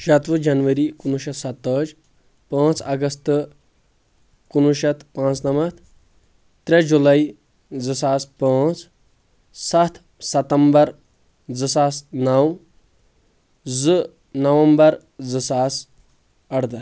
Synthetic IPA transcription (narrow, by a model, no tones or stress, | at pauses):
ʃɐt̪ʋɨd͡ʒanʋɐɾikunuʃɐt̪sɐt̪ːəːd͡ʒ | pãːt͡sɐɡɐst̪ɨ | kunuʃɐt̪ʰpãːt͡snɐmɐt̪ʰ | t̪ɾʲɐd͡ʒulɐi | d͡zɨsaːspãːt͡s | sɐt̪ʰ | sɐt̪ɐmbɐɾ | d͡zɨsaːsnɐw | zɨ | nɐʋɐmbɐɾ | d͡zɨsaːs | ɐʈd̪ɐ